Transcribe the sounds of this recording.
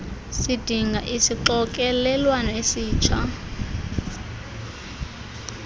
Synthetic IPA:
sid̥ʱiŋɡʱaʔisiǁɔk̬ʼɛlɛlwanɔesiːt͡ʃʰa̰

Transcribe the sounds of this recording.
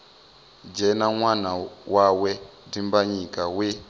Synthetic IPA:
d͡ʒɛnaŋwanawawɛdimbaɲikawe

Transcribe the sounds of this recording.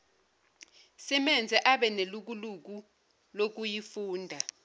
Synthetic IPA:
simɛnd͡zʱɛʔaɓɛneluk̬uluk̬u | lok̬ujifuːndʱa

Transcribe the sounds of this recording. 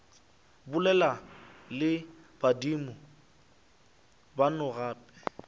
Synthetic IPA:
bʊlɛlalɪ | b̥adimʊ | banʊɣaːpɛ̥

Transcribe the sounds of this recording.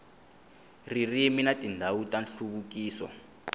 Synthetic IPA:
ririminatʼindʱawutʼanɬuβukiːsɔ̰

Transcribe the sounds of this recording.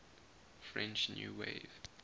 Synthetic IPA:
fɹɛ̃nt͡ʃnjṵːwḛv̥

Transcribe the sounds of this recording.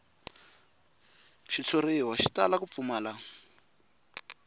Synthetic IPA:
ʃit͡sʰoɾewaʃitalakup̪fumaːla

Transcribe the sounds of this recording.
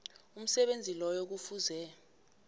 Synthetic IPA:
um̩sɛɓend͡zʱilɔjok̬ufuzɛ

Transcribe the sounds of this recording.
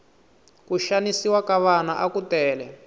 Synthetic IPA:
kuʃanisiwakaβanaʔakutɛːlɛ

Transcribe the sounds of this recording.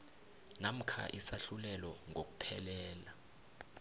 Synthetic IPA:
nam̩kʰa̰ʔisaɬulɛlɔŋʱok̬u̥pʰɛlɛːla

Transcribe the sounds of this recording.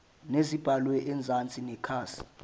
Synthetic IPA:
nezib̥ʱalwɛʔɛnd͡zʱant͡sʼinɛkʰaːsi̥

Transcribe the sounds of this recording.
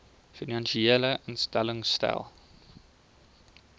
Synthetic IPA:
finanʃieːləʔənstæləŋstæ̰lˠ

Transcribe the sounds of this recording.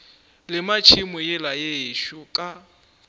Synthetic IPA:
lɪmat͡ʃʰɪmʊjɪlajeʃʊkʼa

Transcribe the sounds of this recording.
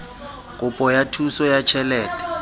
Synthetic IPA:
kʼʊpʼɔjatʰusɔjat͡ʃʰɛlɛːtʼɛ̥

